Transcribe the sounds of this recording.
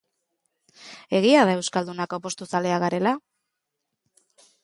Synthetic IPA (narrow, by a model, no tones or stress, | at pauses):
e̞ɣiaðae̞wskald̪unakopo̞st̪usale̞aɣaɾe̞la